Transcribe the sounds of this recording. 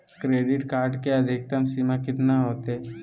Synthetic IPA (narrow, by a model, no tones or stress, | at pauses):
kɾeːɖɪʈkaːɾɖkeɐd̪ʱɪk̚t̪əmsimakɪt̪naɦoːt̪e